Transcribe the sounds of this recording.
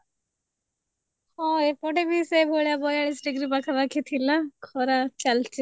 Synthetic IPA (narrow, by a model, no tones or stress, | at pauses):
hɔepɔʈemisebʱoɭjabɔjaɭisɖiɡɾibakʰabakʰit̪ʰilakʰɔɾat͡ʃalt͡ʃi